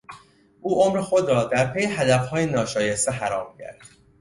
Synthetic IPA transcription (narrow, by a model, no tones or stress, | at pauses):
ʔuːʔomɾexo̞d̪ɾɒːd̪æɾpʰe̞jeɦæd̪æfhɒːjenɒːʃɒːjest̪eɦæɾɒːmcʰæ̰ɾd̪̥